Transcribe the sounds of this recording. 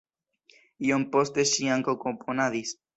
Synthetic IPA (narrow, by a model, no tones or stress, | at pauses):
iompost̪eʃiaŋkokopʰonaðis